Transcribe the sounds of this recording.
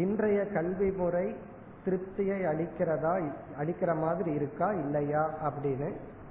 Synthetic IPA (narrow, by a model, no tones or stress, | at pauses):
ɪndrɐjɐkɐɭʋimɯrɐɪ | t̪ɪɾɯp̚t̪ːɪjɐɪɐɭɪkːɪɾɐðaːɐɭɪkːɪrɐmaːðɪɾiɪɾɯkːaːɪlːɐjaːʔɐpːɐɽɪnɯ